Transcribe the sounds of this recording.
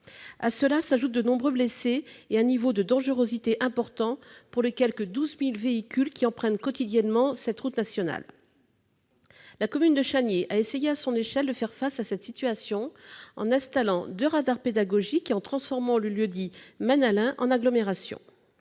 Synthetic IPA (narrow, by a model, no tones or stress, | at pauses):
asəlasaʒut̪̚d̪ənɔ̃bʁøbleseːɛ̃nivod̪əd̪ɑ̃ʒəʁozit̪eʔɛ̃pɔʁt̪ɑ̃puʁləkʲɛlkəd̪uzmilveikʲylkʲiɑ̃pχɛnkɔt̪id̪jɛnmɑ̃sɛt̪ʁut̪nasjɔna̰l | lakɔmynd̪əʃanjeʔaesejeasɔ̃neʃɛld̪əfɛʁfasasɛt̪sit̪yasjɔ̃ɑ̰̃nɛ̃st̪alɑ̃d̪øʁad̪aʁped̪aɡɔʒikeɑ̃t̪χɑ̃sfɔʁmɑ̃ləljød̪imanalɛ̃ʔɑ̰̃naɡlɔmeʁasjɔ̰̃